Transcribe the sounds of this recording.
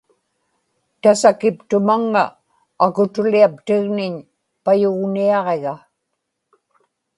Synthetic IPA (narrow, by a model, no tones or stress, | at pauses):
t̪asakɪpt̪ʊmaŋːaː | kʊt̪ʊliap̚t̪ɪɣnɪɲ | pajʊɣniɑʁe̞ɣa